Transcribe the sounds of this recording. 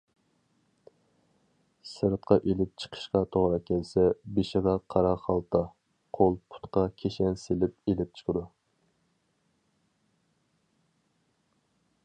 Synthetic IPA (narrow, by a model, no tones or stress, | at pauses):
sɨɾɨt̪qʰɑʔelɪp̚t͡ʃʰə̥qʰə̥ʃqɑt̪ʰoʁɾɑkʲʰɛlsɛbeʃɪʁɑqʰɑɾɑχɑlˠt̪ʰɑ | qʰolˠpʰu̥t̪qɑkʲʰeʃɛnselɪp̚elɪp̚t͡ʃʰə̥qʰəd̪u